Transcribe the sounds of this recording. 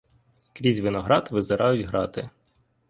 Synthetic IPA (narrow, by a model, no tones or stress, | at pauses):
kɾʲizʲʋɪnɔɦɾɑd̪ʋɪzɪɾʔɑjʊtʲɦɾɑt̪ɪ